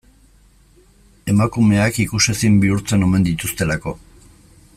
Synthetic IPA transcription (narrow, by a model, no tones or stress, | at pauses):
e̞makume̞akikuse̞simbiuɾt͡se̞no̞me̞nd̪it̪ust̪e̞lako̞